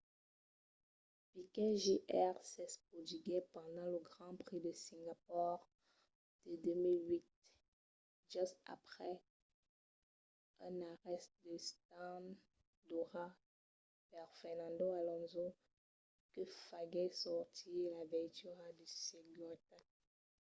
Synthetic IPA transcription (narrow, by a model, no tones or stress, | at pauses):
pikɛʒiʔɛʁsɛspχɔd̪yɡɛpɑ̃d̪ɑ̃ləɡʁɑ̃pχid̪əsĩŋɡapɔʁ | d̪̥əd̪ømilɥit̪̚ | ʒ̥yst̪a̰pχɛ | ɛ̃naʁɛst̪̚d̪əst̪ãn | d̪ɔʁa | vɛʁfɛʁnɑ̃d̪oalɔ̃zo | kəfaɡɛsɔʁt̪ʰilavɛt̪yʁad̪ysiɡɔt̪a